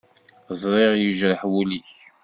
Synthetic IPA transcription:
zˤɾˤɪʁjəʒɾəħwuliç

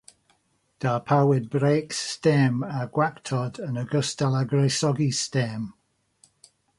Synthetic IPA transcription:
d̥apʰawɪd̚bɹeːkstɛmaɡ̥waktʰɔdənəɡəstalaɡɹejsɔɡistɛm

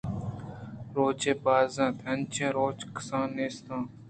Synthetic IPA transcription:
ɾoːt͡ʃʰẽːpaːzãːt̪ʰənt͡ʃʰẽːɾoːt͡ʃkə̥sãːneːst̪ãː

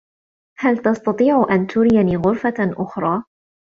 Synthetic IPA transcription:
halt̪ɑst̪ɑt̪ˤiːʕʊʔant̪ʰʊɾɪjaniːɣʊɾfaʔʊxɾˤɑː

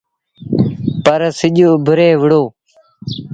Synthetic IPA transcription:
pəɾsɪʄoːbʱəɾeːʋəɽoː

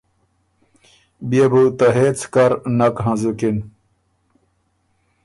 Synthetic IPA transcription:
bijebut̪ɐɦet͡sʰkɐɾnɐkɦɐ̃zukin

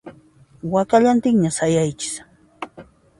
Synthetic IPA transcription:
wakaʎant̪ɪŋɲasajajt͡ʃɪ̥s

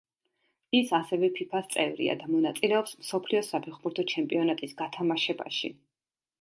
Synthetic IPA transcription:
isasɛvɛpʰipʰast̪sʼɛvɾḭa̰d̪amɔnat̪sʼilɛɔpsmsɔpʰliɔsapʰɛχbuɾt̪ʰɔt͡ʃʰɛmpʼiɔnat̪ʼisɡat̪ʰamaʃɛba̰ʃḭ

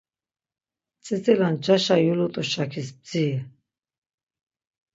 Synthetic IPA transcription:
t͡sʼɛt͡sʼɛland͡ʒaʃajulɔt̪ʼuʃakʰisb̚d͡ziɛ

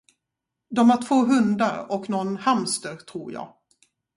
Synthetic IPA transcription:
d̪ɔmhæʈʰvoːɦɵnd̪aɾɔknɔnhamst̪əɾʈ̪ʰɾuːɾjɑ̰ːɡ

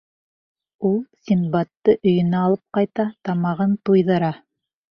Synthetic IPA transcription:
ulˠsʲinbɑt̪ːɤʔɵ̆jɘ̆næɑlˠɤp̚qɑjt̪ɑt̪ɑmɑʁɤnt̪ujðɤ̆ɾɑ

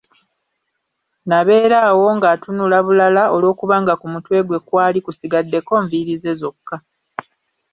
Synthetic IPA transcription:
naβe̞ːɾaːwo̞ŋɡaːtunulaβulalaʔolo̞ːkuβaŋɡakumutwe̞ːɡwe̞kwaːlikusiɡadːe̞ko̞ːɱviɾize̞zo̞kːa

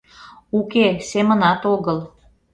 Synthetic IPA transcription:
ukesemə̆nɑt̪oɣəl

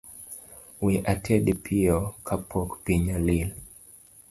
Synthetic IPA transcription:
wiʔatʰɛdpʰiokʰapʰɔkpiɲalil

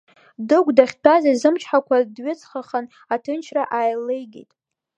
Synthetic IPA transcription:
dɨɡʷʼdaχʲtʰazazɨmt͡ʃʰħakʷʰadɥʊt͡sʰʼχaχan | atʰɨnt͡ʃʰraʔaːjlejɡʲḛjtʼ

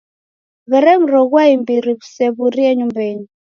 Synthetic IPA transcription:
βɛɾɛŋ̩ɾɔɣwaimbiɾiβu̥sɛβuɾiɛɲumbɛɲi

